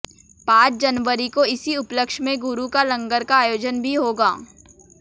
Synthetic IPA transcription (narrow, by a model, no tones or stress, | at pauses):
pãːt͡ʃd͡ʒɐnʋəɾikoɪsiʊpləkʃmẽɡʊɾukalɐ̃ŋɡəɾkaːjoːd͡ʒənbʱiɦoːɡa̰ː